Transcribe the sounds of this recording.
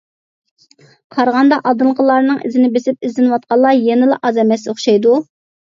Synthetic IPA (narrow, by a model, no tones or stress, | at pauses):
qʰɑɾʁɑnd̪ɑʔɑd̪ɨlˠʁəlˠɑɾnɨŋɪ̰zɪnɪbesɪp̚ɪzlɪnwɑt̪̚qʰɑlˠːɑjenɪlɑ̰ʔɑzɛmɛsoχʃɑjd̪u